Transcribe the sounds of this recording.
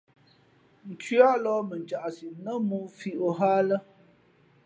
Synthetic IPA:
n̩˨t͡ʃɥa˦ʔlɔ˦mə˨n˨t͡ʃa˨ʔsi˨nə˦mu˦fi˦ʔo˨ɦaː˦lə˦

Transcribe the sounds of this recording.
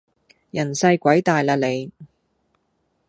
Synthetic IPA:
jɐ˨˩nsɐ˧jkʷɐ˨˥jt̪aː˨jlaː˧le˨˧j

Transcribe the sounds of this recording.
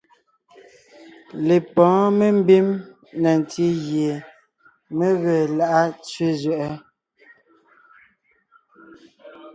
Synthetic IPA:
le˨pɔ̃ː˨˦me˦m̩˦bi˦m | nɛ˨n˨ti˦ɣje˨ | me˦ɣə˨la˦ʔa˦t͡sɥe˦zɥɛ˦˨ʔɛ˦

